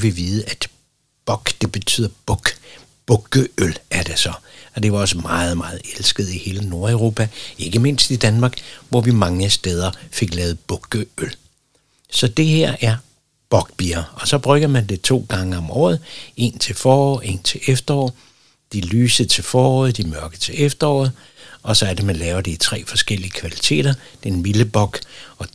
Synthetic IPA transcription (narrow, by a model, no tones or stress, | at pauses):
ʋiʋiːð̞ˠəæd̥ | b̥ɒ̽ɡ̥d̥e̝b̥e̝t͡sʰy̰ːð̰ˠɐb̥ɔɡ̥ | b̥ɔɡ̥əølʔæɐd̥esɒ̽ɒ̽d̥e̝ʋɑ̈ɒ̽səmɑ̈ːð̞̩ˠmɑ̈ːð̞̩ˠelsɡ̥ð̞̩ˠihe̝ːləno̝ɐæʊʁo̝ːpʰæe̝ɡ̥əme̝n̰sd̥id̥ænmɑ̈ːɡ̥ʋɒʋimɑ̈ŋəsd̥eːð̞ˠɐfe̝ɡ̥lɛːʊð̞̩ˠb̥ɔ̽ɡ̥əøl | sɒ̽d̥e̝heɐ̰ʔæɐ | b̥ɒ̽ɡ̥b̥iːɐɒ̽sɒ̽b̥ʁœɡ̥ɐmænd̥e̝t͡sʰo̝̰ːɡ̥ɑ̈ŋəɒ̽mɒ̰ːð̩ˠe̝̰ːnt͡sʰe̝lfɒːɒ̰e̝ːnt͡sʰe̝lʔefd̥ɐɒ̰ː | d̥ilyːsət͡sʰe̝fɒːɒ̰ːð̞̩ˠd̥imɶɐɡ̥ət͡sʰe̝efd̥ɐɒ̰ːð̩ˠ | ʔɒ̽sɒ̽æɐd̥emænlɛːʊɐd̥eit͡sʰʁɛ̰ːfɒ̽sɡ̥el̰iəkʰʋælit͡sʰḛːɾ̥ɐd̥eːnʋiləb̥ɒ̽ɡ̥ɒ̽